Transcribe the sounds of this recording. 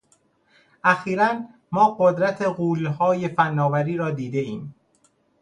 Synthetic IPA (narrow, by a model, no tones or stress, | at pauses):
ʔæxiːɾæn | mɒːɢod̪ɾæt̪ʰeɢuːlɦɒːje̞fænːɒːvæɾiːɾɒːd̪iːd̪e̞iːm